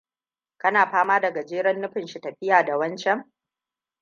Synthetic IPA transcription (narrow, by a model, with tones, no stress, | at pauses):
kɐ˦naː˨ɸaː˦maː˦dɐ˨ɡa˨d͡ʒeː˦ɾɐ˦nːʊ˦ɸɪ˨nʃi˨tɐ˨ɸɪ˦jaː˨da˨wɐ˦nt͡ʃɛ˦ŋ